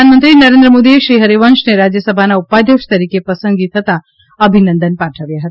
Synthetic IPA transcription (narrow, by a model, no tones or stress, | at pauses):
anmənt̪ɾinɐɾẽːnd̪ɾəmoːd̪ieʃɾiɦɐɾeʋɐnʃneɾad͡ʒjɐsɐbʱanaupːaːd̪ʱjɐkʂt̪ɐɾikepɐsəŋɡit̪ʰɐt̪ʰa | ɐbʱinɐnd̪ənpaʈʰəʋjaɦɐt̪ḁ